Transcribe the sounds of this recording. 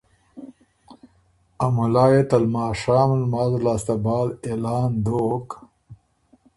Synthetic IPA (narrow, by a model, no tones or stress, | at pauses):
ɐmulaːjet̪ɐlmaːʂaːmlmaːzlaːst̪ɐbaːlelaːnd̪oːk